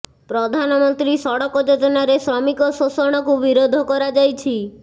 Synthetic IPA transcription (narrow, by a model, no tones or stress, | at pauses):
pɾɔd̪ʱanɔmɔnt̪ɾisɔɽɔkɔd͡ʒod͡ʒɔnaɾesɾɔmikɔsɔsɔɽ̃ɔkubiɾod̪ʱɔkɔɾad͡ʒajt͡ʃʰi